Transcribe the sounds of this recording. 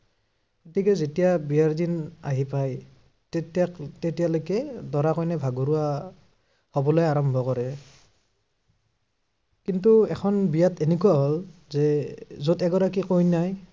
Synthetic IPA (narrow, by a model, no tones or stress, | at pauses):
kotikɛzetijabijaɹdina̰ɦipaj | ttatetijalojkɛdɔɹakɔjnɛbʱaɡoɹuwa | hobɔlojaɹɔmbʱɔkɔɹɛ | kintuɛ̰xʰɔnbijatʰenekujaɦɔlzɛzodɛɡɔɹakikojnaj